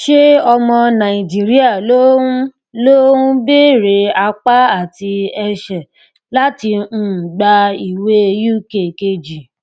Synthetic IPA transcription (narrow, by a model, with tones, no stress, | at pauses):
ʃe˦ɔ˧mɔ̃˧nã˨i˨d͡ʒi˨˦ɾi˦a˦˨lo˦ | lo˦ũ˦be˦˨ɾe˨˧a˧k͡pa˦a˦˨ti˧ɛ˧ʃɛ˨ | la˦tĩ˧˦˨ɡ͡ba˧i˨we˦˧ju˦ke˦˨ke˧d͡ʒi˨